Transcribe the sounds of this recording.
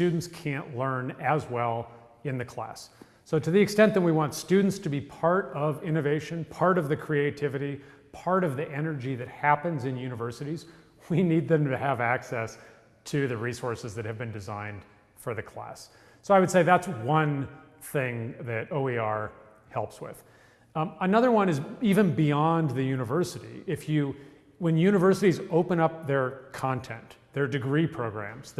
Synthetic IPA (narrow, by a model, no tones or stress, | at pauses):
tʉdⁿn̩tskʰæ̃nʔlɜ̃˞nɨzwɛlˠ | ɨ̃nðɨkʰl̥æ̰sː | oʊɾɨðiɨkstɛ̃nðɨ̃t̚wiwɑ̃ntstʉdⁿn̩tstʰɨbipʰɑɹɾʌvɪ̃ñɨveɪʃɨ̃npʰɑɹɾʌvðɨkʰɹ̥ieɪtʰɪvɨɾi | pʰɑɹɾʌvðiʔɛnə˞d͡ʒiðɨt̚hæpɨ̃nzɨ̃njʉnɨvɜ˞sɨɾiz | winid̪̚ðɨ̃mtɨːvæksɛs | tʰɨðɨɹisɔɹsɨzðɨt̚hɨvbɨ̃ndɨzãɪ̃nd̥ | fə˞ðɨkʰl̥æ̰s | soʊaɪwɨd̥seɪðætswʌ̃n | θɪ̃ŋðɨɾoʊiɑɹ | hɛlˠpswɪ̰ð̥ | ənʌðə˞wʌ̃nɨzivɨ̃nbiɑ̃nðɨjʉñɨvɜ˞sɨɾḭɪfjɨ | wɨ̃njʉñɨvɜ˞sɨɾizoʊpə̃ñʌp̚ðə˞kʰɑ̃ntʰɛ̃nðə˞dɨɡɹipʰɹ̥oʊɡɹæ̰̃mz̥